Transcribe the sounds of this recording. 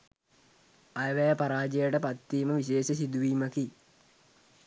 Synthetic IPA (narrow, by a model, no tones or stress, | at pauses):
ɐjɐʋɐjɐpɐɾaːd͡ʑɐjɐʈɐpɐt̪ːiːmɐʋiɕeːɕɐsid̪uʋiːmɐki